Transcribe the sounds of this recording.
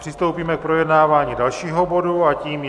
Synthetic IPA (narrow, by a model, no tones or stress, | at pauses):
r̥ɪst̪owpiːmɛk̚pɾo̞jɛdnaːvaːɲiːdalʃiːɦo̞bo̞duaciːm